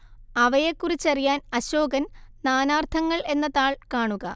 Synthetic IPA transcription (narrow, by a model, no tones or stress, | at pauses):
ɐʋɐjekːurit͡ɕːɐrijaːnɐɕoːɡɐnnaːnaːrt̪ʰɐŋːɐɭe̞nːɐðaːɭkaːɳuɣɐ